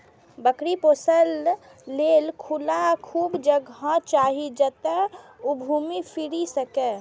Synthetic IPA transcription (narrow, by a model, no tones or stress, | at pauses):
bəkɾiposəlː | elkʰulakʰuːbd͡ʒəɡɦə̃t͡ʃaɦid͡ʒət̪əubʱumipʰiɾisəke